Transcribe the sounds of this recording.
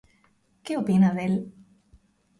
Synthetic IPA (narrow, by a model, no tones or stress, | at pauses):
keopinaðel